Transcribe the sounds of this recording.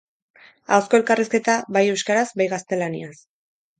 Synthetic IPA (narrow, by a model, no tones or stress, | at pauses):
awsko̞e̞lkariske̞t̪aβajewskaɾazbajɣast̪e̞lanḭas